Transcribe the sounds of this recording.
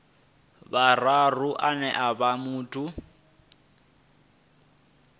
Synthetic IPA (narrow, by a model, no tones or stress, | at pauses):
bararuʔanɛʔabamuːtʼu